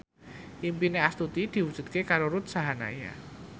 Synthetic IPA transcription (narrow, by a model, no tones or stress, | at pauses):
ʔimpineast̪ut̪id̪̥i̤wud̥d͡ʒ̥ʒ̥ṳt̪̚kekaɾoɾut̪saɦana̰ja̰